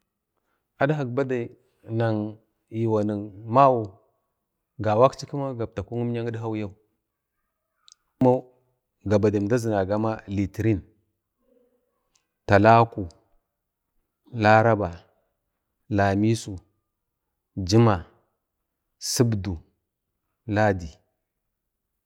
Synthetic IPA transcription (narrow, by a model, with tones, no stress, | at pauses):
a˨dɦa˨kba˦da˨ | na˨ŋ | ji˨wa˨ni˨ŋma˦wu˨ | ɡa˨wa˦kt͡ʃi˦ku˦ma˦ɡa˨b̚ta˨ku˦ŋu˦m˦ɲa˦ŋi˦dɦa˦wja˦u˦ | kma˦ | ɡa˨ba˨da˨da˦zi˨na˨ɡa˦ma˦li˨tɾi˦n | ta˨la˦ku˨ | la˦ɾa˦ba˨ | la˨mi˦su˨ | d͡ʒi˦ma˨ | si˦bdu˨ | la˦di˨